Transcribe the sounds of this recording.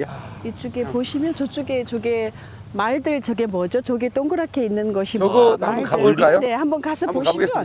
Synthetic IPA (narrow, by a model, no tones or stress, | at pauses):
it͡ɕ͈uɡe̞poɕʰimjʌnt͡ɕʌt͡ɕ͈uɡet͡ɕʌɡe | maɭdɯɭt͡ɕʌɡe̞mʌd͡ʑot͡ɕʌɡet͈oŋɡɯɾakʰe̞inːɯnɡʌɕʰiɡoaɯok͈ajone̞hambʌnkasʰʌpoɕi